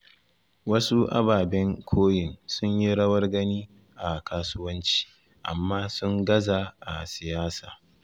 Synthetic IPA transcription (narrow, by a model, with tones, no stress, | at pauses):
wɐ˦su˦ʔa̰˦baː˨bɛ˦ŋkʷʰoː˦jɪ˨nsʊ˦ɲji˦ɽɐ˦wɐ˦rɡɐ˦niː˦ | ʔa˨kaː˦sʊ˦wɐ˦nt͡ʃi̥ː˦ | ʔa̰˨mːaː˦sʊ˦ŋɡɐ˦za˨ʔa̰˨sɪ˨jaː˦saː˨